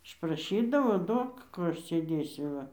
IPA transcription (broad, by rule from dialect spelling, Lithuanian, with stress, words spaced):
ɪʃprɐˈʃʲiːdɐʋoː ˈduɔk ˈkuː ˈɐʃ sʲeːˈdʲeːsʲʊ ˈʋɐ